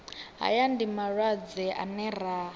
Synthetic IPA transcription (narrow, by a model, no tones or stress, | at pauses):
ɦa̰jandimaɺwad͡zɛʔa̰nɛra